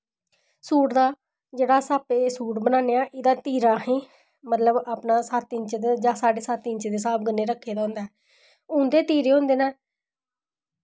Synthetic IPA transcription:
suːʈd̪aː | d͡ʒeːɽaːsaːpeːsuːʈbənãːneːaːʔɪd̪aːt̪iːɾaːhẽː | mət̪ləbaːpnaːsat̪ɪɲt͡ʃd̪ed͡ʒãːsaːɖeːsat̪ɪ̃ɲt͡ʃːd̪eːsaːp̚ɡənːeːɾəkʰːeːd̪aːɦʊ̃ːnd̪aɛː | ʊ̃nd̪eːt̪iːɾeːɦõːnd̪eːnaː

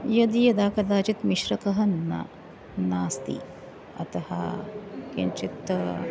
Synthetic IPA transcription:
jɐd̪ijɐd̪aːkɐd̪aːt͡ʃit̪miʃɾɐkɐɦɐnɐ̰ | naːst̪ḭ | ɐ̰t̪ɐhɐ̰kent͡ʃit̪

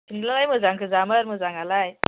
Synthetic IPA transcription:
sʰiŋlalajmɯzaŋkʰɯzaməɾmɯzaŋalaj

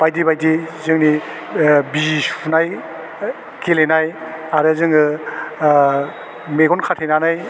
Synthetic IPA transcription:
b̥ajdibajdizɯŋni | bisʰunaj | kelenajaɾɯzɯŋɯ | meɡɔnkʰatʰenanaj

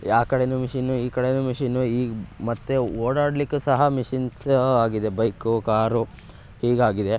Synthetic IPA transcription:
jaːkɐɽenumiʂinuiːkɐɽenumiʂinːuiːmɐt̪ːeoːɽaːɽɖlikːusɐɦɐmiʂinsaːɡid̪e̞bɐjkukaːɾu | hiːɡaːɡid̪e̞

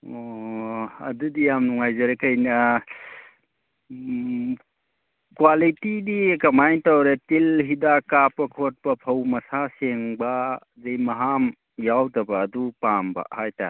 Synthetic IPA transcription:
o | ɐ̰dudijamnuŋajzɐɾekʰɐjnɐ | kwalitidikɐmajtawɾetilɦidakapɐkʰot̚pɐpʰɐwmɐsaseŋba | zejmɐɦam | jawdɐbɐːdupambɐ̰hajta̰

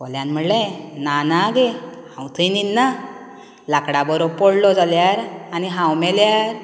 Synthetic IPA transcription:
kɔljãnm̤əɽlẽnanaɡehãwt̪ʰəjninːa | lakɽabəɾopɔɽlɔd͡zaljaɾaniɦãwmɛljaɾ

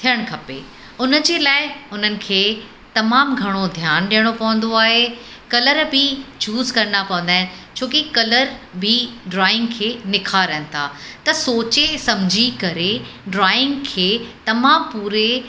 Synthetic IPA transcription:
t̪ʰijəɽ̃kʰɐpḛ | ʊnə̆d͡ʑeːlaːɪʊn̤ənɪ̆kʰeː | t̪ɐmaːmɡʱɐɽ̃od̪ʱjaːnɗijəɽ̃opɐʋə̃nd̪oaːɦe | kɐləɾbʱɪt͡ɕuːzkɐɾənapɐʋə̃nd̪aːɦɪnɪ̆t͡ɕʰoːkikɐləɾbʱiɖɾaːɪ̃ŋɡkʰeːnɪkʰaːɾɐɦnɪ̆t̪ʰa̰ːt̪ɐsoːt͡ɕesɐmd͡ʑʱikɐɾeɖɾaːɪ̃ŋɡkʰeːt̪ɐmaːmpuːɾe

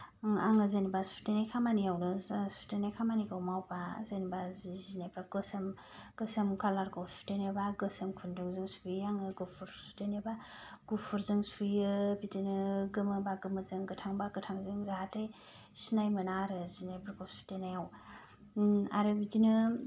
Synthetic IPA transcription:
a̰ŋɯzenibasu̥tenajkʰamaniawnɯsu̥tenajkʰamanikʰɯwmawbazenibazizinepɾaɡɯsem | ɡ̥ɯsemkalaɾkʰɯwsu̥tenebaɡɯsemkʰundɯŋzɯŋsujaŋɯɡupʰuɾsu̥teneba | ɡ̥upʰuɾzɯŋsujɯbidinɯɡɯmɯbaɡɯmɯzɯŋɡɯtʰaŋbaɡɯtʰaŋzɯŋzaɦatej | sinajmɯnaɾɯzinebɯɾkʰɯwsu̥tenajaw | a̰ɾɯbidinɯ

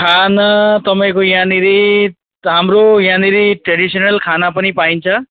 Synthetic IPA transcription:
kʰanat̪əmaẽkojãniɾi | ɦamɾojãniɾiʈɾeɖisənəlkʰanapənipaint͡sʰʌ

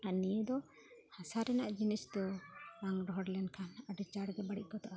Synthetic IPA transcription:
anijəd̪ɔ | hasaɾɛnaʔd͡ʒinisd̪ɔaŋɖɔɦɔɽlɛnkʰanaɖɛt͡ʃaɽɡɛbaɽiʔ̚kɔt̪aʔa

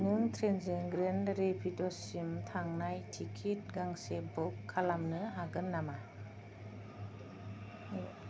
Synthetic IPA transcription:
nuŋtʰɾenzeŋɡɾendɾepʰitɔsimtʰaŋnajtʰikʰit̚ɡaŋsebɔkʰːalamnɯɦaɡɯnːama

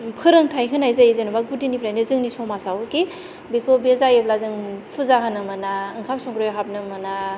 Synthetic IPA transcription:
pʰɯɾɯŋtʰajkʰɯnajzajizɯnubaɡudinipʰɾajnɯzɯŋnisɔmasawke | bikʰobezajɯblazɯŋpʰuzakʰanɯmɯnaɯŋkʰap̚sɔŋɡɾɔjɦap̚nɯmɯna

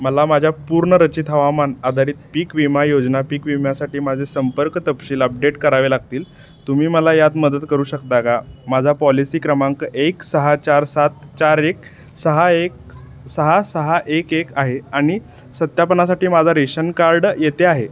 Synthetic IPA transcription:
məlamad͡ʑʱjapuɾɳəɾət͡ɕit̪ʰɦəʋamanad̪ʱaɾiːt̪̚piːkʋimajod͡znapiːkʋimjasaʈiːmad͡zʱesəmpəɾkt̪əpɕiːləp̚ɖeʈkəɾaʋelaɡ̚t̪iːl | t̪umiːməlajat̪məd̪ət̪kəɾuːɕəkt̪akamad͡zʱapɔlisiːkɾəmaŋkəʔeksəɦat͡ɕaɾsat̪t͡ɕaɾek̚ | səɦaek̚ | səɦasəɦaʔekekaɦeaɽ̃i | sət̪japənas̬aʈiːmad͡zʱaɾeɕənkaɾɖjet̪eaɦe

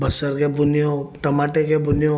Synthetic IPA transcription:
bɐsəɾkebʊnijõʈɐmaːʈekebʊnijõ

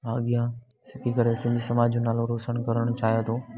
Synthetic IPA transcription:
aːɠijãsɪkʰikɐɾesɪ̃n̆d̪ʱisɐmaːd͡ʑd͡ʑõnaːloɾoːsəɽ̃kɐɾəɽ̃ʊt͡ɕaːjat̪ʰoː

